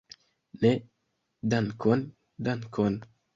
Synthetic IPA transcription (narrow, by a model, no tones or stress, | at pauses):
ne | dankon | dankʰon